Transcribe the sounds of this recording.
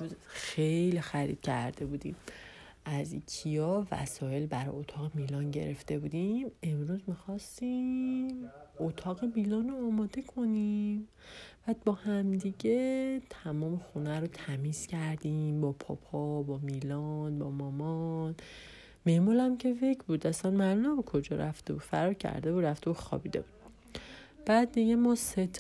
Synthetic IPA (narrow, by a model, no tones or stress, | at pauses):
eɾuzxejlixæɾḭːd̪̥cʰæ̰ɾd̪e̞buːd̪ḭm | ʔæzicʰijɒːvæ̰sɒːje̞lbæɾɒ̰jot̪ʰɒːɣemiːlɒnɟḛɾe̞ft̪e̞buːd̪ime̞mɾuzmixɒst̪immot̪ʰɒːɣe̞miːlɒnoːmɒːd̪e̞kʰo̞nim | b̥æbɒːhæmd̪iɟet̪ʰæmɒːmexunæɾot̪ʰæmiːz̥cæɾd̪imbɒpʰɒ̰pʰɒbɒmilɒnbɒmɒmɒn | meʔmɒːlæmcʰe̞fecʰbuːd̪æsænmælunæbokʰo̞d͡ʒɒːɾæft̪e̞buːd̪fæ̰ɾɒːɾcʰæ̰ɾd̪e̞buːɾæft̪ebuxɒ̰bid̪e̞̰bud̪̥ | b̥æːd̪̚ːiɟemɒːset̪ʰ